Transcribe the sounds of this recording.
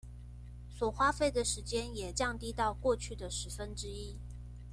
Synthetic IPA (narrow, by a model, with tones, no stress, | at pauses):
swɔ˨˩xwa˥fe˥˩ɪd̪ə˩ʂɻ̩˧˥t͡ɕjɛ˥njɛ˨˩t͡ɕjɑ˥˧ŋt̪i˥t̪ɑ˥˧ʊkwɔ˥˧t͡ɕʰy˥˩d̪ə˩ʂɻ̩˧˥fə˦nʈ͡ʂɻ̩˥i˥